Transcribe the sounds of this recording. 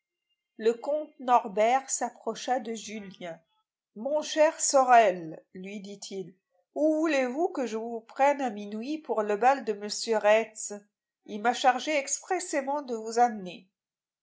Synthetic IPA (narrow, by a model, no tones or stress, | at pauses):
ləkɔ̃t̪nɔʁbɛʁsapχɔʃad̪əʒyljɛ̃ | mɔ̃ʃɛʁsɔʁɛlːɥid̪it̪ʰil | uvulevukəʒəvupχɛnaminwipuʁləbald̪əməsjøʁɛt̪s | ilmaʃaʁʒeɛkspχesemɑ̃d̪əvuzamne